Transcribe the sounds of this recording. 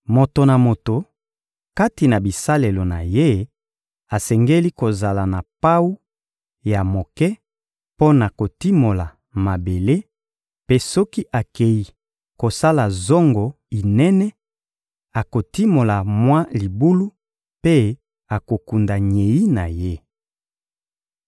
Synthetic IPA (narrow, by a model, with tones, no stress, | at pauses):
mo˨to˨na˨mo˨to˨ | ka˦ti˨na˨bi˨sa˦le˨lo˨na̰˨je˦ | a˨sɛ˨ŋɡe˦li˦ko˨za˨la˨na˨pa˦wu˦ | ja˨mo˨kɛ˦ | po˦na˨ko˨ti˦mo˨la˨ | ma˨be˨le˦ | pe˦sɔ˦ki˦ʔa˨ke˨ji˨ | ko˨sa˦la˨zɔ˦ŋɡɔ˨ | i˨nɛ˦nɛ˦ | a˨ko˨ti˦mo˨la˨mwa˦li˨bu˦lu˦ | pe˦ | a˨ko˨ku˨nda˨ɲe˨i˦na˨je˦